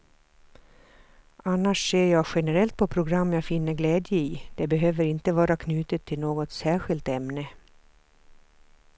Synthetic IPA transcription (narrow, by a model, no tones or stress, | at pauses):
ʔanːaʂseːɾjɑːɡɧɛnɛɾɛlt̪̚pʰɔpʰɾʊɡɾamːjɑːfɪnːəɾɡlɛːd̪jəid̪̥ɛbɛɦøːvəɾɪnt̪əvɑːɾakʰnʉ̟ːt̪ət̪ʰːɪlnoːɡɔt̪sæːɧɪlt̪ɛmnə